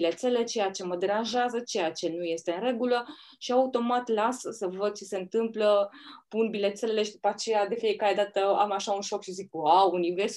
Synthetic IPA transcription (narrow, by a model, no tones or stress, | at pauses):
ilet̪sele̞t͡ʃe̞jat͡ʃe̞məd̪e̞ɾanʒeazət͡ʃe̞jat͡ʃe̞nuje̞st̪e̞ɨnɾe̞ɡulə | ʃiaut̪o̞mat̪lasəsəvəd̪̚t͡ʃe̞se̞ɨnt̪ɨmpləpunbile̞t̪selele̞ʃid̪upat͡ʃe̞jad̪e̞fije̞kaɾe̞d̪at̪əamaʃaunʃo̞kʃizik̚aunives